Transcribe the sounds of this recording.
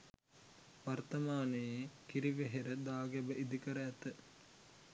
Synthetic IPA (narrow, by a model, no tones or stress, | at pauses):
ʋɐrt̪ɐmaːnəjekiɾiʋeɦeɾəd̪aːɡebəʔid̪ikəɾəæt̪ə